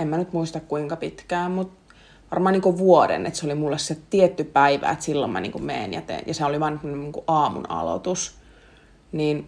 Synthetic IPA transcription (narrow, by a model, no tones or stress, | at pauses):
emmænyt̪muist̪ɑkkuiŋkɑpit̪kæːmmut̪ | ʋɑrmɑːniːkoʋuodḛnḛt̪seolimulːessiet̪t̪iet̪ːypæiʋæ̰ːet̪silːo̰mmɑ̰nḭːŋkummḛːnjɑ̰t̪ḛjɑseæoliʋɑːnyt̪mnuniːŋkuʔɑːmṵnɑ̰lo̰t̪us | niːn